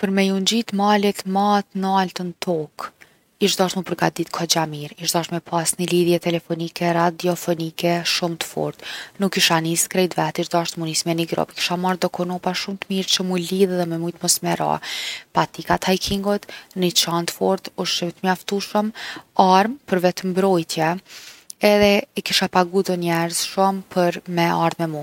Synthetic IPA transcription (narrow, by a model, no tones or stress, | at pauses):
pəɾmɛjuɲd͡ʑit̪malɛt̪mat̪nəalt̪ənt̪ʰɔk | iʃd̪aʃt̪məpəɾɡad̪it̪kʰɔd͡ʑamiɾiʃd̪aʃt̪mɛpʰasniliðjɛt̪ɛlɛfɔnikɛɾad̪iɔfɔnikɛʃumt̪ə̥fɔ̰ɾt̪nukːiʃaniskɾɛjd̪vɛt̪iʃd̪aʃt̪munismɛniɡɾɔ̰biki̥ʃamaɾd̪ɔkɔnɔpaʃumt̪əmiɾt͡ʃəmujliðɛðɛmɛmujt̪mɔsmɛɾa̰pat̪ikat̪hajkʰiŋɡɔt̪nit͡ʃant̪əfɔɾt̪uʃəmt̪əmjaft̪uʃəmaɾmpəɾvɛt̪əmbɾɔjt̪jɛ | ɛðɛɛkiʃapaɡuðəɲɛɾəzʃumpʰəɾmɛaɾðmɛmu